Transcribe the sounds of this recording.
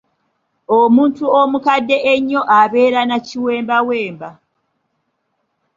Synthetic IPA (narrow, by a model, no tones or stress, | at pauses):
omuːntuomukadːe̞ʔeɲːo̞ʔaβe̞ːɾanaciwe̞ːmbawe̞ːmba